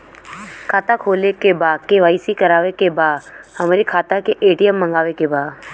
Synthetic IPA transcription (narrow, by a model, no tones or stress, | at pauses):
kʰaːt̪akʰoːlekebaːd̪keʋaːisikəɾaːʋekebaːd̪həmɾikʰaːt̪akeʔeːʈijəmːə̃ŋɡaːʋekebaːd̪